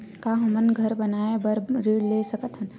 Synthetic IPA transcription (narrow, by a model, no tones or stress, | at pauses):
kaɦɐmənɡʱəɾbənaːebəɾɾiːɽlesəkət̪ɦən